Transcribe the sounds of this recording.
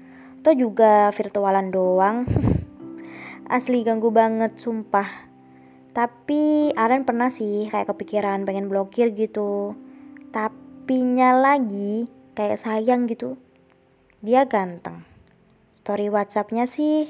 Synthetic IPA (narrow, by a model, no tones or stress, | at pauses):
t̪ɔhd͡ʒuɡafirt̪ualandoaŋ | ʔa̰sliɡaŋɡubaŋət̪̚sumpah | t̪apiaɾanpərnahsɪhkaja̰ʔkəpikiɾanpeŋɛnblokɪrɡit̪u | t̪apiɲalaɡi | kaja̰ʔsajaŋɡit̪u | diaɡant̪əŋ | st̪oɾiwat̪̚sap̚ɲasɪh